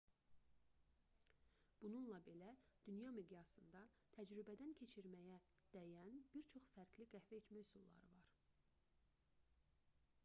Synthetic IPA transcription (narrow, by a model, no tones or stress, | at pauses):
b̥ununlˠɑbe̞læd̪̥ynjɑmiɡ̪jɑsɯnd̪ɑ | t̪ʰæd͡ʒɾybæd̪æncʰe̞t͡ʃʰiɾmæjæ | d̪̥æjænb̥iɾt͡ʃʰo̞χfæɾɡliɡæhvæet͡ʃ̪mæjsulˠːɑ̰ɾɯvɑɾ